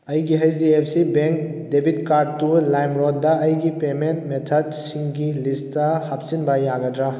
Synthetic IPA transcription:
ɐjɡiɦajziep̚ʰsibeŋkdebʱid̚kaɾd̚tulajmɾɔd̚dɐɐjɡipementmetʰɐdsiŋɡilistɐhap̚sinbɐjaɡɐdɾa

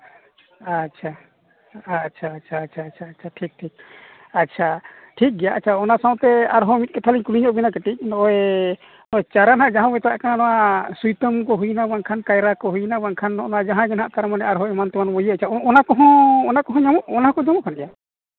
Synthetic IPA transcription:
atːt͡ʃʰa | t͡ʃʰaːt͡ʃʰaːtt͡ʃʰaːt͡ʃʰaːtt͡ʃʰaʈʰik̚ʈʰik̚ | atːt͡ʃʰa | ʈʰik̚ɡɛjaʔat͡ʃʰaɔnasaw̃t̪ɛaɾɦɔmit̪̚kɛt̪ʰaliɲkuliɲɔʔbinakɛʈic̚nɔʔɛ | nɔɛt͡ʃaɾanɦaʔd͡ʒãɦãbɔjt̪ɔwa̰ʔkananɔwasujt̪əmkɔɦujnabaŋkʰankajɾakɔɦujnabaŋkʰanːɔ̰ʔnad͡ʒaɦãɡɛnɦa̰ʔt̪aɾɛmanɛaɾɦɔɛmant̪ɛmanbɔjəat͡ʃʰaɔnakɔɦɔ̃ɔnakɔɦɔ̃ɲamɔʔɔnaɦakɔɲamɔʔkʰanɡɛja

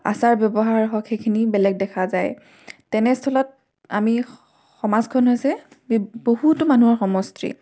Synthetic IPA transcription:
a̰saɹbjɔbɔɦaɹɦɔkxejkʰinibɛlɛɡ̚dɛkʰazaj | tɛnɛstʰɔlɔt̚ | ami | xɔmazkʰɔnɦojsɛ | bohutʊmanuɔɹxɔmɔstɹḭ

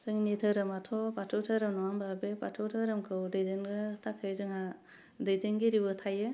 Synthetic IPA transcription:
sɯŋnitʰɯɾɯmatʰɔpatʰɯwtʰɯɾɯmnɔwambabepatʰɯwtʰɯɾɯmkʰɯwdɯjdenɡtʰakʰɯjzɯŋa | dɯjdeŋɡiɾibɯtʰajɯ

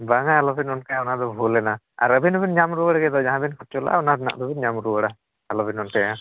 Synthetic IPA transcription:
baŋaalɔbinɔnkajãɔnad̪ɔbʱulɛna | a̰ɾəbʱinbinɲamɾuəɽɡɛd̪ɔd͡ʒaɦãbinkʰɔt͡ʃɔlʔa̰ɔnad̪na̰ʔd̪ɔbinɲamɾuəɽa | alɔbinɔnkaja

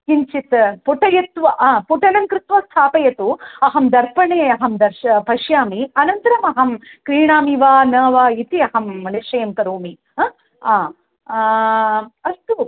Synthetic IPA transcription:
kiɲt͡ʃit̪puʈɐjɐt̪ʋɐʔaːpuʈɐnɐmkɾɪt̪ʋɐst̪ʰaːpɐjɐt̪uɐɦɐmd̪ɐɾpɐɳeːɐɦɐmd̪ɐɾʃɐpɐʃjaːmiɐnɐnt̪ɐɾɐmɐɦɐmkɾiːɳaːmiʋaːnɐːʋaːit̪iɐɦɐmːɐniʂɐjɐmkɐɾuːmi | aː | ɐst̪u

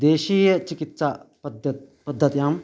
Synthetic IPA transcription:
d̪eːʃiːjɐt͡ʃikit̪sapɐd̪ɐt̪̚ | pɐd̪ʱːɐt̪jaːm

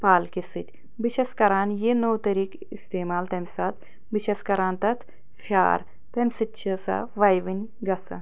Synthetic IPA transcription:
paːlkisɨt̪ʲ | ʋiʃeskɐɾaːnjenowt̪ɐɾiːk | ist̪eːmaːlt̪ɐmʲsɐt̪ | ʋiʃeskɐɾaːnt̪ɐt̪ʰ | fʰja̰ːɾ | t̪ɐmʲsɨtːt͡ʃʰɐsɐ̰ʋɐjʋinʲ | ɡɐsɐ̰

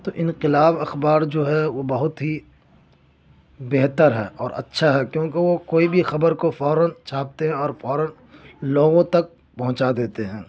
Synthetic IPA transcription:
t̪oːʔɪ̃nqɪlaːbɐxbaːɾd͡ʒoːɦɛʋobɐɦʊt̪ɦi | beɦt̪əɾɦɛːʔɔːɾɐ̰tːʃʰaɦɛkjõːkeʋokoːibʱixɐbəɾkofɔːɾənt͡ʃʰaːp̚t̪eɦɛ̃ɔːɾfɔːɾən | loːɡõt̪ɐk̚ | pɐɦʊ̃t͡ʃad̪eːt̪eɦɛ̃ː

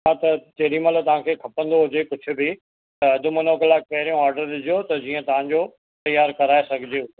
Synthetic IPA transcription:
ãt̪ɐt͡ɕɐɗimɐlt̪ɐʋ̤ãkʰeːkʰɐpə̃nd̪oɦʊd͡ʑekʊd͡ʑʱʰʊ̆bɪ | t̪ɐɐd̪ʱʊmɐnoːklaːkɐɪɾijũaːɾɖəɾɗɪd͡ʑʱijot̪ɐd͡ʑiːə̃t̪ɐʋ̤ãɲd͡ʑoː | t̪ɐjːaːɾkɐɾaːesɐɡʱɪd͡ʑeo

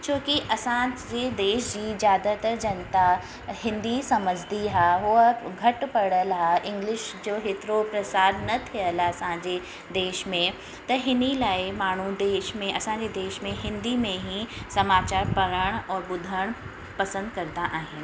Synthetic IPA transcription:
t͡ɕʰoːkiʔɐsãd͡ʑed̪eːʃd͡ʑizjaːd̪at̪ɐɾd͡ʑɐnt̪a | hɪ̃nd̪isɐməd͡ʑʱd̪iɦaːɦʊəɡʱɐʈpɐɽəlɦaːʔɪ̃ŋɡlɪʃd͡ʑoːɦet̪ɪɾopɾɐsaːd̪nɐt̪ʰiəlɐsãd͡ʑe | d̪eːʃmẽ | t̪ɐɦɪnilaːɪmaːɳ̤ud̪eːʃmẽʔɐsãd͡ʑed̪eːʃmẽɦɪ̃nd̪imẽɦĩsɐmaːt͡ɕaːɾpɐɾəɽ̃ɔːɾbʊd̪ʱəɽ̃ | pɐsə̃nd̪kɐɾd̪aʔaːɦɪn

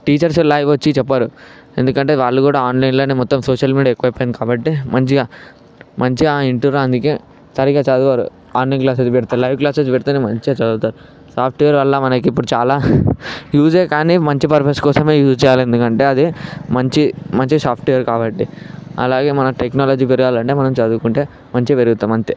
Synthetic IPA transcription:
ʈiːt͡ʃɐɾs̬lɐjʋʋɐt͡ʃːit͡ʃɛpːaːɾu | e̞̰nd̪ukɐɳʈe̞ːʋaːɭːukuːɽaːaːnlɐjnloːnemɔt̪ːɐmsoːʂɐlmiːɽiaekːuʋɐpːɐjnkaːbɐʈːimɐɲt͡ʃiɡaː | mɐɲt͡ʃiaːiɳʈuɾɐnd̪uke̞ː | sɐɾiɡaːt͡ʃaːd̪uʋaːɾṵ | aːnlɐjnklaːsesʋiɾt̪alɐjʋklaːsed͡ʒʋiɽt̪animɐɲt͡ʃiaːt͡ʃɐd̪ut̪aːɾu | saːpʰʈijɐɾʋɐlːɐmɐnɐkiiːpːuɽut͡ʃaːlaːjuːd͡ʒeːkaːnimɐɲt͡ʃipɐɾpʰɐskɔːsɐme̞ːjuːst͡ʃɛːjaːlend̪ukɐɳʈe̞ːɐd̪imɐɲt͡ʃimɐɲt͡ʃisaːpʰʈijɐɾkaːbɐʈːiɐ̰laːɡe̞ːmɐnɐʈeknaːlɐːd͡ʒiːpeɾuɡaːlɐɳʈe̞ːmɐnɐmt͡ʃɐd̪uːkuɳʈe̞ː | mɐɲt͡ʃipeɾuɡut̪aːmɐɲt͡ʃi

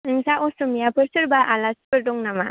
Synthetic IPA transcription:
ɯŋsaʔɔsumijapʰɯɾsɯɾbaʔalaspɯɾdɔŋnama

